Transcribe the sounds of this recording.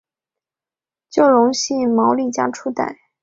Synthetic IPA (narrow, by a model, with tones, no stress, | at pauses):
t͡ɕjo˥˩ʊɻʊ˧˥ŋɕi˥˩ŋmɑ˧˥ʊli˥˩t͡ɕja̰˥ʈ͡ʂʰu˥t̪a̰˥˩ɪ